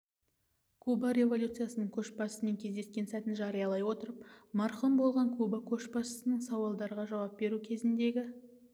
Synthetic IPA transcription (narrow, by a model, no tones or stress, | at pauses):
kʰubaɾʲe̞vo̞lʲut̪sɨjasənəɴkʲʰɵʃbɑsəneŋkʲʰe̞zd̪e̞skʲe̞nsæt̪ɪnʒɑɾɨjɑlˠɑjwo̞t̪əɾəpmɑɾχəmbo̞lˠʁɑŋkʰubakʲʰɵʃpɑsə̥sənəɴsɑwɑlˠd̪ɑɾəʁɑʒɑwɑp̚be̞ɾukʲʰe̞zɪnd̪e̞ɡʲɪ